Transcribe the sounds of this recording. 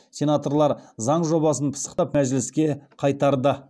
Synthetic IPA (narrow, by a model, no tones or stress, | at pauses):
sʲe̞nat̪o̞rlˠɑɾzɑɴʒo̞bɑsənpʰə̥sə̥qt̪ɑpmæʒlɪskʲe̞qʰɑjt̪ɑɾd̪ə